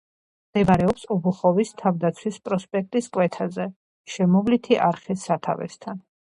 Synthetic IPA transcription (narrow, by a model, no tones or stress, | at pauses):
md̪̥ɛbaɾɛɔpsɔbuχɔvist̪ʰavd̪at̪sʰwispʼɾɔspʼɛk̚ʰt̪ʼiskʼwɛt̪ʰazɛ | ʃɛmɔvlit̪ʰiʔaɾχisːat̪ʰa̰vɛ̰st̪ʰan